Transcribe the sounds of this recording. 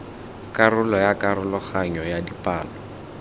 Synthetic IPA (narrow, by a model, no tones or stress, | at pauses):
karʊlɔjakaɾʊlɔχaɲɔjadipaːlɔ